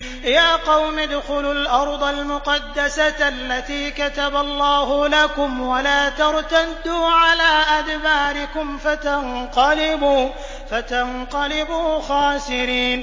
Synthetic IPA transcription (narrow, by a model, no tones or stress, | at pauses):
jaːqɑwmɪd̪xʊlʊlʔɑɾˤd̪ˤɑlmʊqɑd̪ːasaalːat̪iːkat̪abalˤːɑːhʊlakʊmwalaːt̪ɑɾˤt̪ad̪ːuːʕalaːʔad̪baːɾɪkʊmfat̪ɑnqɑlɪbuː | fat̪anqɑlɪbuːxaːsɪɾiːn